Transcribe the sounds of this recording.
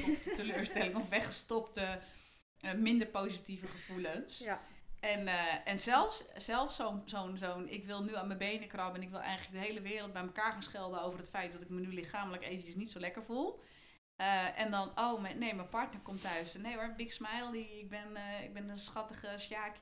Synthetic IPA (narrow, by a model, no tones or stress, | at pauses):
təløːɹstɛlɪŋɔfʋɛxəstɔptə | əmɪndəɹpoːzitivəχəfuləns | ɛnɛnsɛlˠfssɛlˠfsonsoːnsoːnɪ̰kʋɪlˠnyanməbejnəkrɔpəɛnɪkʋɪlˠɛ̰jɣələk̚dəɦejləʋɪːrəl̩ˠt̚bɛjməkaːɹaːnsxɪlˠdəowvərətfɛjt̚dɔtɪk̚mənylɪxaːmələkeːvənt͡ʃəsnitsowlɛkəɹfulˠ | əʔɛndɔnowmɛnejmɛpɔɹtnəɹkɔmtœɥsnejɔɹbɪksmajlˠdiɪk̚bɪnɪ̰k̚bɪnəsxɑtəɣəsjaːk